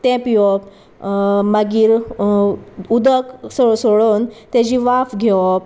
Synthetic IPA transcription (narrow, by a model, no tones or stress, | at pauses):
t̪ɛ̃piɔp̚ | məɡiːɾ | ud̪əksosoɭont̪ẽd͡ʑiʋafɡʱeɔp